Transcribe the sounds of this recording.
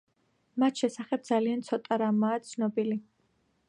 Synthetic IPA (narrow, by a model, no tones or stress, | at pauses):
mat̪ʰʃɛsaχɛb̚d̪zaliant̪sʰɔt̪ʼaɾamaːt̪sʰnɔbili